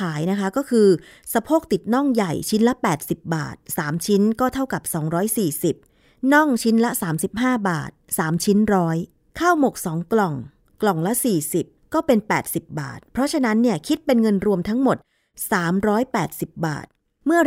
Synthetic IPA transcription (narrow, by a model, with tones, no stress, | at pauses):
aː˩˦jna˦˥kʰa˦˥kɔː˥˩kʰɯː˧ | sa˧pʰoː˥˩k̚t̪i˨˩t̪̚nɔ˥˩ŋja˨˩jt͡ɕʰi˦˥nla˦˥pɛː˨˩t̪̚si˨˩p̚ba̰ː˨˩t̪̚saː˩˦mt͡ɕʰi˦˥nkɔː˥˩t̪ʰa˥˩wka˨˩p̚sɔː˩˦ŋɾɔː˦˥jsiː˨˩si˨˩p̚ | nɔ˥˩ŋt͡ɕʰi˦˥nlɛ˦˥saː˩˦msi˨˩p̚haː˥˩ba̰ː˨˩t̪̚saː˩˦mt͡ɕʰi˦˥nɾɔː˦˥j | kʰaː˥˩wmo˨˩k̚sɔː˩˦ŋklɔ˨˩ŋ | klɔ˨˩ŋlɛ˦˥siː˨˩si˨˩p̚kɔː˥˩pe˧npɛː˨˩t̪̚si˨˩p̚ba̰ː˨˩t̪̚pʰɾɔ˦˥t͡ɕʰa˧na˦˥nːi˥˩ɐkʰi˦˥t̪̚pe˧nŋɤ˧nɾu˧əmt̪ʰa˦˥ŋmo˨˩t̪̚ | saː˩˦mɾɔː˦˥jpɛː˨˩t̪̚si˨˩p̚ba̰ː˨˩t̪̚ | mɯ˥˩ɐ